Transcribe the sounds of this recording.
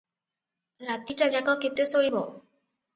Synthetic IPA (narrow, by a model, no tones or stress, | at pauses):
ɾat̪ːiʈad͡ʑakaket̪ːesoibo